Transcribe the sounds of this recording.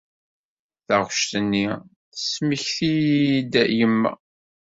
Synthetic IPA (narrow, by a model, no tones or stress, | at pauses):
θəʁʃt̪ənːi | θə̥sməçθijd̪jəmːæ̰